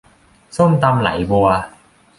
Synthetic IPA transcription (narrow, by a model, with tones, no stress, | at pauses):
so˥˩mt̪a˧mla̰˩˦jbu˧ɐ